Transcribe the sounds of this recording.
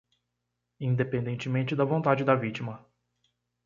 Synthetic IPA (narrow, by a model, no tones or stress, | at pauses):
ĩnd̪epẽnd̪ẽnt͡ʃɪmẽnt͡ʃɪd̪ɐvõnt̪ad͡ʒɪd̪ɐvit͡ʃimɐ